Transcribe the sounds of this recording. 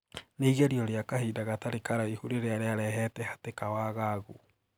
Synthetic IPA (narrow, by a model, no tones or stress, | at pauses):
neɣaɾjɔɾeakahiːdaɣataɾekaɾaihuɾeɾeaɾeaɾɛɦɛtɛhatekawaɣaɣo